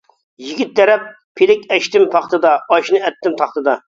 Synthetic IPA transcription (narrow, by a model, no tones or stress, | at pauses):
jiɡʲit̪̚d̪ɛɾɛpːʰ | elɪkʲɛʃt̪ɪmpʰɑχt̪ɨd̪ɑɑʃnɨɛt̪ʰːɪmt̪ʰɑχt̪ɨd̪ɑ